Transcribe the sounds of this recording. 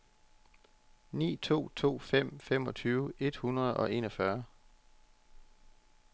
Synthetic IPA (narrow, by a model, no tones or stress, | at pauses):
nḭːt͡sʰo̝̰ːt͡sʰo̝̰ːfem̰fem̰ɒ̽t͡sʰyːʊəe̝d̥hunʁɐð̞̩ˠɒ̽ʔe̝ːnɒ̽fɶɐ